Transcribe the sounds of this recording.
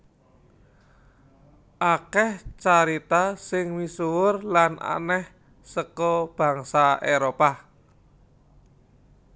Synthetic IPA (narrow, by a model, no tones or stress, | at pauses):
ʔakɛht͡ʃaɾit̪asɪŋmisuwʊrlanʔa̰nɛh | səkɔb̥ä̤ŋsaeɾopa